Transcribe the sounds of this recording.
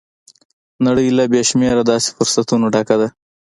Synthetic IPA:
naɽəjlabeʃmeɾad̪ɑse̥fʊɾsat̪unoɖakad̪a

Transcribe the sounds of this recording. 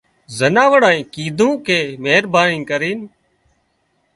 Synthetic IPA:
zənaːʋəɽãːĩːkiːd̪ʱũːkʰeːmeːɾbaːnĩːkəɾiːn

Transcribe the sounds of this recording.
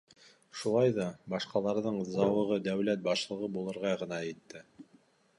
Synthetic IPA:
ʃulˠɑjðɑbɑʃqɑlˠɑɾðɤɴzɑwɤ̆ʁɤd̪æwlæt̪̚bɑʃlˠɤ̆ʁɤbulˠɤ̆ɾʁɑʁɤ̆nɑjĭt̪ːɘ

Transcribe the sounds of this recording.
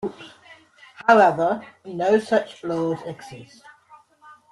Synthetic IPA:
ps | haʊɛvənəʊsʌt͡ʃlɔːzɛɡz̥ɪst

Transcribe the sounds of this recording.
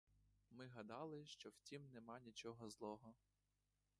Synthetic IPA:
mɪɦɐd̪ɑlˠɪʃt͡ʃɔwtʲimnemɑnʲit͡ʃɔɦɔzlˠɔɦɔ

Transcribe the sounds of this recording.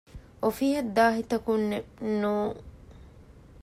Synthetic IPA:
ʔɔfiːhɐd̪ːaːhɪt̪ɐkunːɛnu

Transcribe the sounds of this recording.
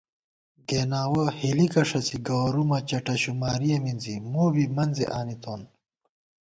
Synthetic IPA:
ɡeːnaːwɐhilikɐʂɐsiɡaːɾumɐt͡ɕɐʈɐɕumaːɾijɐminzimuːbimɐnzḛʔaːnit̪oːn

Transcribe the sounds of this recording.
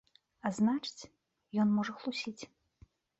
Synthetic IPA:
aznat͡ʂɨ̥t͡sʲ | jɔnmɔʐɐxlˠusʲit͡sʲ

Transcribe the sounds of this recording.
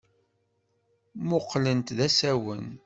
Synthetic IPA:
mʊqːlənt̪ðæsæwən

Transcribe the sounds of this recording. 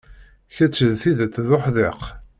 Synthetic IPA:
çæt͡sːəðθiðæt̪ːðoħðeq

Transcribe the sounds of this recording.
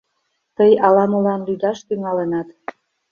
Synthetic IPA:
t̪əjɑlɑmulɑnlyd̪ɑʃt̪yŋɑlenɑt̪

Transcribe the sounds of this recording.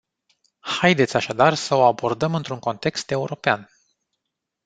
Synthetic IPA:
hajd̪e̞t̪sʲaʃad̪arsəo̞abo̞rd̪əmɨnt̪ɾuŋko̞nt̪e̞kst̪e̞uɾo̞pean

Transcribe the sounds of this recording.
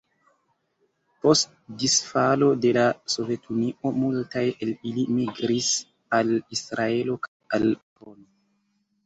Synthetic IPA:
po̞st | disfalo̞de̞laso̞ve̞tʰuniʔo̞multaje̞lilimiɡɾis | alisɾae̞lo̞kʰajalpo̞no

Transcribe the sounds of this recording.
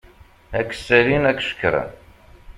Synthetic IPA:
ækːsːælinækːʃə̥kːɾæ̰n

